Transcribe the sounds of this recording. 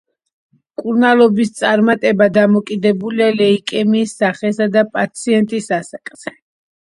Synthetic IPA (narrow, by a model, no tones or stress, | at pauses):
kʼuɾnalˠɔbist̪sʼaɾmat̪ʼɛbad̪amɔkʼid̪ɛbulialɛikʼɛmiːsːaχɛsad̪apʼat̪sʰiɛnt̪ʼisasakʼz̥ɛ